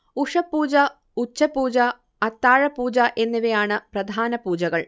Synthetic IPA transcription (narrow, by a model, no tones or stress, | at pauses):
uʂɐpːuːd͡ʑɐ | ut͡ɕːɐpuːd͡ʑɐ | ɐt̪ːaːɻɐpuːd͡ʑɐʔe̞nːiʋejaːɳɨprɐd̪ʱaːnɐpuːd͡ʑɐɣɐɭ